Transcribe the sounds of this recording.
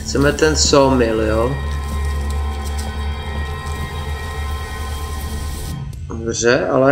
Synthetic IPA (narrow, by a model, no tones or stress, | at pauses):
xt͡sɛmɛt̪ɛnsomɪljo | brɛʔa̰lɛ